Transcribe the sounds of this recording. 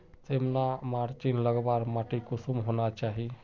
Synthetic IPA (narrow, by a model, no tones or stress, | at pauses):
t̪emnamaːɾt͡ʃiːnləɡbaːɾmaːʈikʊsumɦoːnat͡ʃaːɦi